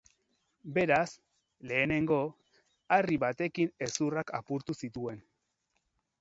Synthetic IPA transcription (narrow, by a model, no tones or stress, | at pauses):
be̞ɾas | le̞ːne̞ŋɡo̞ | ariβat̪e̞kine̞suraka̰puɾt̪usit̪ue̞n